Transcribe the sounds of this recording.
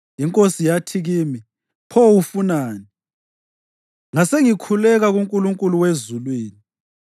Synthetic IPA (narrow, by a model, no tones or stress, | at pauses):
iŋkʼosijatʰiɣimi | pʰɔwufunaːni | ŋaseŋikʰulɛɣaɣuŋkʼuluŋkʼuluwezulwiːni